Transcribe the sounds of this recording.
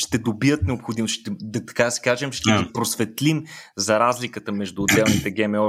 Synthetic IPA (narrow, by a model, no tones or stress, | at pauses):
ʃt̪ɛd̪obiət̪nɛopxod̪imosʃt̪ɛd̪t̪ɐ̥kad̪ɐsi̥kaʒɛmʃt̪ɛɡpɾosvɛt̪limzɐɾazlikət̪əmɛʒd̪uːd̪ɛlˠnit̪ɛɡɛmɛɔ